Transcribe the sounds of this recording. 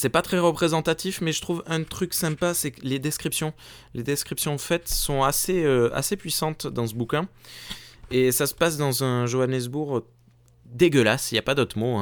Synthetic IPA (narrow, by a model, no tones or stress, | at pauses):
sɛpat̪χɛʁəpχezɑ̃t̪at̪ifmɛʒət̪χuvɛ̃t̪χyksɛ̃pasɛkled̪ɛskχipsjɔ̃ | led̪ɛskχipsjɔ̃fɛt̪sɔ̃aseøa̰sepɥisɑ̃t̪d̪ɑ̃səbukʲɛ̃ | esasə̥pasd̪ɑ̃zɛ̃ʒoanɛs̬buʁ | d̪eɡəlasiljapad̪ot̪χəmoɛ̃